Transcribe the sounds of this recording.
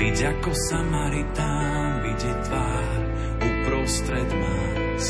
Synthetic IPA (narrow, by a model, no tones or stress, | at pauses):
iɟakɔsamaɾit̪a | viɟɛt̪ʋaː | ɾ | upɾɔst̪ɾɛd̪ma | s